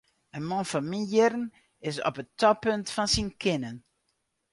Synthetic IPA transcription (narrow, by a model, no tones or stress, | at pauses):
ənmɔnfɑnminjɪrən | ɪsɔ̰pətɔpøntfɑnsinkʰɪnən